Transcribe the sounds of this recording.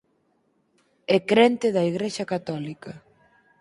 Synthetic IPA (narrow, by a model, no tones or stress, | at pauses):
ɛkɾent̪ɪðɐiɣɾeʃɐkat̪ɔlikɐ